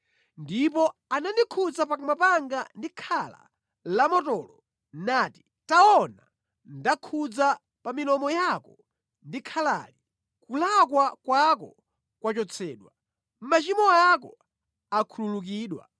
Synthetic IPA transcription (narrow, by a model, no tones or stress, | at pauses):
ndipɔanandikʰud͡zapakumapaŋɡandikʰala̰ | lamɔtɔːlɔ | nati̥ | taɔna | ndakʰud͡za | pamilɔmɔjakɔ | ndikʰala̰ːli | kulakwakwakɔ | kwat͡ʃɔt͡sʰɛːɗwa | m̩mat͡ʃimɔakɔ | akʰululuk̬iːɗwa̰